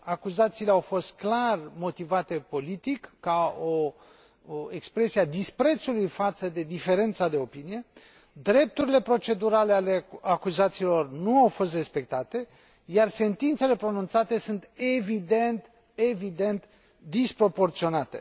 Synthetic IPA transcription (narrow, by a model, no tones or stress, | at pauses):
akuzat̪siːleawfo̞st̪̚klarmo̞t̪ivat̪e̞po̞lit̪ikːao̞ | ekspɾe̞siad̪ispɾe̞t̪sulujfat̪səd̪e̞d̪ife̞ɾe̞nt̪sad̪e̞o̞pinije̞ | d̪ɾe̞p̚t̪uɾile̞pɾo̞t͡ʃe̞d̪uɾale̞aleakuzat̪siːlo̞rnuawfo̞st̪re̞spe̞k̚t̪at̪e̞ | jarse̞nt̪int̪se̞le̞pɾo̞nunt̪sat̪e̞sunt̪evid̪e̞nt̪ | e̞vid̪e̞nt̪ | d̪ispɾo̞po̞rt̪sio̞nat̪e̞̰